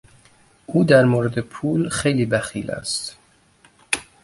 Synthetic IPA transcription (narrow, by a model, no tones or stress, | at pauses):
ʔuːd̪æɾmoːɾed̪epʰuːlxejliːbæxḭːlæ̰st̪